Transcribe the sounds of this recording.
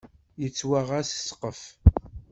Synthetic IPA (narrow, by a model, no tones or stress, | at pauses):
jət͡sːwaʁasə̥sqəf